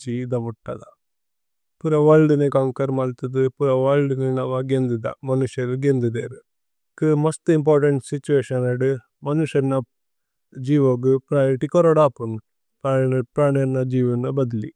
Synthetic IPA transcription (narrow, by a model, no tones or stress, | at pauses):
d͡ʒid̪ɐʋuʈːɐd̪ɐ | puɾɐʋɐlɖɨnekaŋkɐɾmɐlt̪ɐd̪ɨpuɾɐʋɐlɖɨnenɐʋɐɡend̪id̪ɐ̰mɐnuʂjɐɾɡend̪id̪eɾ | kɨmost̪imp̬oːɾʈɐɳʈsit͡ʃːueːʃɐnɐɖɨ | mɐnuʂɐɾnɐ | d͡ʒiːʋoɡɨpɾaːjɾʈikɔɾoɽaːpːun | pːpɾaːɳɐɾnɐd͡ʒiːʋɐnɐbɐd̪ilḭ